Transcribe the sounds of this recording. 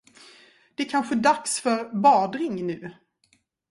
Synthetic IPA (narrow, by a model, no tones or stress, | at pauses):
d̪̥ɛæɾkʰanɧəd̪aksfœɾbɑːd̪ɾɪŋnʉ̟ː